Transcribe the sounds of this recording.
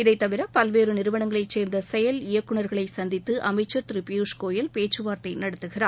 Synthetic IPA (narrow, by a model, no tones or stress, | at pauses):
ɪðɐɪt̪ːɐʋɪɾɐpɐlʋeːɾɯnɪɾɯʋɐɳɐŋɡɐɭɐɪt͡ʃeːɾnd̪ɐsɛjɐlɪjɐkːɯɳɐɾɣɐɭɐɪsɐnd̪ɪt̪ːɯʔɐmɐɪt͡ʃːɐɾt̪ɪɾipɪjuːʂkoːjɐlpeːʈt͡ʃːrɯʋaːɾt̪ɐɪnɐɽɐt̪ːɯɣɪraːɾ